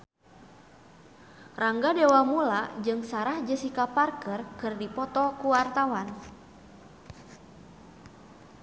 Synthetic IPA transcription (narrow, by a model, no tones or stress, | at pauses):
raŋɡadewamulad͡ʒɨŋsaɾahd͡ʒəsikaparkərkɨrdipɔt̪ɔkuwart̪awan